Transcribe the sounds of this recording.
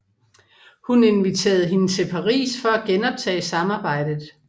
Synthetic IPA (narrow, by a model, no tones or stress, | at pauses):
hune̝nʋit͡sʰe̝̰ːɐð̩ˠɦe̝nət͡sʰe̝lpʰɑ̈ʁḭːsfɒ̽æɡ̥enɒ̽b̥̚t͡sʰɛ̰ːsɑ̈mɑ̈ːb̥ɑ̈ɪ̰d̥ð̩ˠ